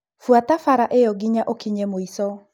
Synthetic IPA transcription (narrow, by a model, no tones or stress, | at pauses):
fuatafaɾaʔejɔɡiɲaʔokiɲɛmoisɔ